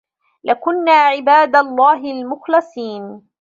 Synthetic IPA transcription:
lakʊnːaːʕɪbaːd̪alˤːɑːɦɪlmʊxlɨsˤiːn

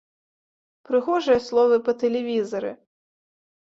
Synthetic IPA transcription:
pɾɨɣɔʐɨjɐslˠɔvɨpɐt̪ɛlʲɛvʲizɐɾɨ̰

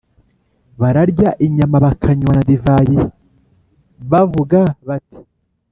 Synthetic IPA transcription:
βaɾaɾɟaʔiɲamaβakʰaɲwanadivaɾi | βavuɡaβati̥

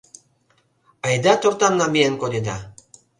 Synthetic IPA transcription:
ɑjd̪ɑt̪ort̪ɑnːɑmienkod̪ed̪ɑ

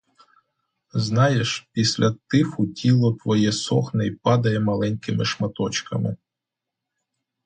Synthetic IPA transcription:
znɑjeʃpʲisʲlʲɐt̪ɪxʊtʲilˠɔt̪ʋɔjɛsɔxnɛjpɑd̪ɐjɛmɐlˠɛnʲkɪmɪʃmɐt̪ɔt͡ʃkɐmɪ̰

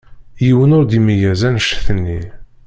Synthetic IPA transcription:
jiwənʊɾd̪imijæzænʃθənːi

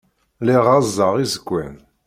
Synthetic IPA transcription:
liʁazːəʁizəɡʷːæn

